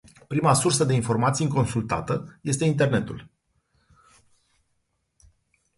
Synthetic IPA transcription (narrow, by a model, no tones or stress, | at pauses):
pɾimasursəd̪e̞info̞rmat̪siɨŋko̞nsult̪a̰t̪əje̞st̪e̞int̪e̞rne̞t̪ṵl